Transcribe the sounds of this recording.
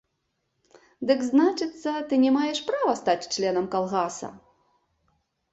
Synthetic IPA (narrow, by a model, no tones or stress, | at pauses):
d̪ɨkznat͡ʂɨt̪sːɐt̪ɨnʲɛmajɛʂpɾavɐst̪at͡sʲt͡ʂlʲɛnɐmkalˠɣasɐ̰